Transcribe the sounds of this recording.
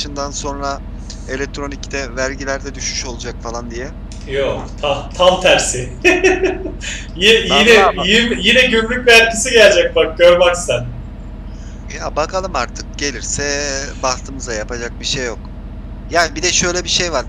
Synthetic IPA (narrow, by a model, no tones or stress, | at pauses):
ʃɯnd̪anso̞nɾa | e̞lʲɛc̚t̪ʰɾo̞nict̪ʰɛvæɾɟilʲæɾd̪ɛd̪yʃyʃo̞lˠud͡ʒakfalˠand̪ijɛ | jokt̪ʰat̪ʰamt̪ʰæɾsɪ | jijinɛjimjinɛɟynlʲyc̚bæɾɟʰisiɟælʲd͡ʒɛc̚bak̚ɟøɾmaksænd̪ | jaːbakʰalˠɯmaɾt̪ʰɯ̥k̚ɟe̞lʲiɾsɛbast̪ʰɯmɯzajapad͡ʒak̚biʃejːo̞k | jaːnibid̪ɛʃø̞jlʲɛbiʃejvaɾ